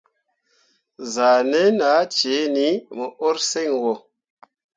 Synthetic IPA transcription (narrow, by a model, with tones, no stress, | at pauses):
za˨ne˦na˨˦t͡ʃe˨˦ni˨˦mə˨ʔo˦ɾse˦˨ŋwo˨